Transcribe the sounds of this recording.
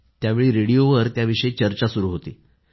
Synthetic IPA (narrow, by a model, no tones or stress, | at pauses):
t̪jaʋeɭiːɾeɽijoʋəɾt̪jaʋiʂəet͡ɕəɾt͡ɕasuɾuːɦot̪iː